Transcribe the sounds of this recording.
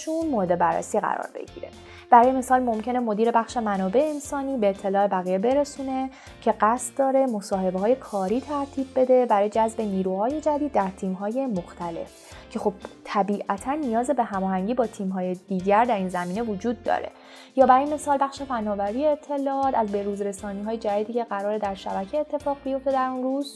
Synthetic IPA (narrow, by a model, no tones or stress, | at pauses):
ʃunmoɾed̪ebæɾːḛsiːɣæ̰ɾɒ̰ːɾbḛɡḭːɾe̞ | b̥æɾɒːjeme̞sɒːlmo̞mcʰe̞ne̞mo̞d̪iːɾe̞bæxʃe̞mænɒːbe̞ʔeːnsɒːniːbe̞ːt̪ʰːe̞lɒːe̞bæɣijebe̞ɾesuːne̞ | cʰe̞ɢæst̪̚d̪ɒːɾe̞mo̞sɒːɦe̞beɦɒːje̞kʰɒːɾiːt̪ʰæɾt̪ʰiːb̚be̞d̪e̞bæɾɒːjed͡ʒæzbe̞niːɾuːhɒːje̞d͡ʒæd̪iːd̪ːæɾt̪ʰiːmɦɒːje̞mo̞xt̪ʰæle̞̰f | cʰe̞xo̞b̥t̪ʰæbiːʔæt̪ʰænːijɒːzebe̞ɦæmɒːɦæŋɟiːbɒːt̪ʰiːmɦɒːje̞d̪̥iːɟæɾd̪æɾiːnzæmiːne̞vod͡ʒuːd̪̚ːɒ̰ɾe̞̰ | jɒːbæɾjeme̞sɒːlbæχʃe̞fænːɒːvæɾijeːt̪ʰːe̞lɒːɒːt̪ʰæzbe̞ɾuːzɾe̞sɒːniːɦɒːjed͡ʒæd̪iːd̪iːcʰe̞ɣæɾɒːɾe̞d̪æɾʃæbæcʰeet̪ʰːe̞fɒːɣbijo̞ft̪e̞d̪æɾunruːz